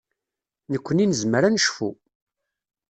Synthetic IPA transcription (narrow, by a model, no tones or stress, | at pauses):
nəkʷːəninəzməɾænəʃfṵ